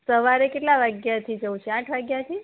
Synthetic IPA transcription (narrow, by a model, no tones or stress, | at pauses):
səʋaɾekeʈlaʋaɡjat̪ʰid͡ʒəʋũt͡ʃʰeãʈʰʋaɡjat̪ʰi